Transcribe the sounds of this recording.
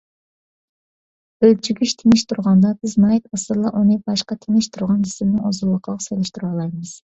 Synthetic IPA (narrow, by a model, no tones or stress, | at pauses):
ølt͡ʃʰyɡʲyʃt̪ʰenɪʃt̪ʰuɾʁɑnd̪ɑbɪznɑjt̪ɑsɨlˠɑʔunɨbɑʃqɑt̪ʰenɪʃt̪ʰuɾʁɑnd͡ʒisɪmnɪŋozulˠːəqʰəlˠəqselɪʃt̪yɾɑlˠɑjmɨz̥